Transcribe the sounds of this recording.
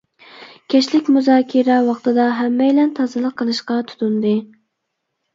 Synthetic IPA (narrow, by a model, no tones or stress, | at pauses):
kʲʰɛt͡ʃlɪkʲmuzɑːkʲʰiɾɛwɑχt̪ɨd̪ɑɦæmːɛjlɛnt̪ʰɑzɨlˠəqʰːəlˠɨʃqɑt̪ʰu̥t̪und̪ɨ